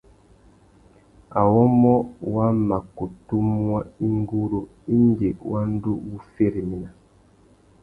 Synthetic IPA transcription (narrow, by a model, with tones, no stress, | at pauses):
a˨wɔ˦mɔ˦wa˦ma˨ko˨tu˦mu˦a˦i˦ŋɡu˦ɾo˦ | i˦n˦d͡ʒe˨wa˦n˦du˦bu˦fe˦ɾi˨mi˨na˨